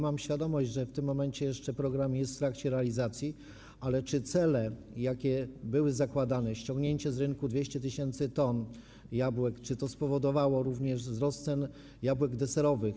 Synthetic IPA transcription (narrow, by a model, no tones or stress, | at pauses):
mamɕfʲjad̪ɔmɔʑd͡ʑʐɛft̪ɘmːɔmɛɲt͡ɕɛjɛʂt͡ʂɛpɾɔɡɾamjɛst̪ft̪ɾakt͡ɕɛɾɛalʲizat̪sʲji | alɛt͡ʂɘt̪sɛlɛ | jakʲɛbɘwɘzakwad̪anɛɕt͡ɕɔ̃ŋɡɲeɲt͡ɕɛzɾɘnkud̪vʲjeɕt͡ɕɛt̪ɘɕɛnt̪sɘt̪ɔn | jabwɛkt͡ʂɘt̪ɔspɔvɔd̪ɔvawɔɾuvɲɛʐzɾɔst̪sɛn | jabwɛɡd̪ɛsɛɾɔvɘx